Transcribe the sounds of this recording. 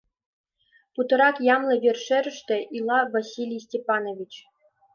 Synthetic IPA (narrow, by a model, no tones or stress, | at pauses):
put̪ɤ̆ɾɑkjɑmlˠɤ̆ʋʲerʲʂeɾʲɘ̆ʂt̪ʲɘ̆ʔilˠɑvasʲilʲijsʲtʲepɑnovʲit͡ɕ